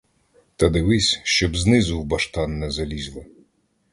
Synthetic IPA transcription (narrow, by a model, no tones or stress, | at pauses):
t̪ɐd̪ɪʋɪsʲʃt͡ʃɔbznɪzʊwbɐʃt̪ɑnːɛzɐlʲizʲlˠɪ